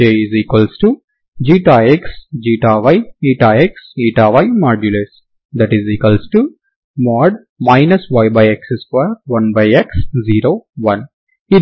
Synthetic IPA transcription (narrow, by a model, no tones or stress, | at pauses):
eːiziːkʋəlsʈu | d͡ʒiːʈaːeksd͡ʒiːʈaːʋaɪiːʈaːeksiːʈaːʋajmaːɾd͡ʒules | d̪æʈiziːkɐlsʈu | mɔːɖ | maɪnɐsʋajbajeksesfɐɾʋɐ̃nbajeksziːɾoːʋɐ̃n | i